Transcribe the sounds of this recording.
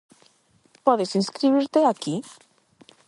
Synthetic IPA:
pɔðesinskɾiβiɾt̪eaki

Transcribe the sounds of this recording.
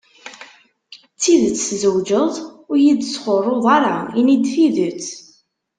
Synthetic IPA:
t͡sːiðət͡sːzəwd͡ʒəðˤʊɾjid̪sχorˤːoðˤɑɾˤɑinid̪θiðət͡sː

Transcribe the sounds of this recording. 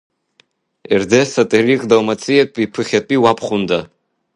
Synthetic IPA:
erdesatʼɨriχʼdawmat͡sʰʼɨjatʼipʰɨχʲatʼiwapʰχʊnda

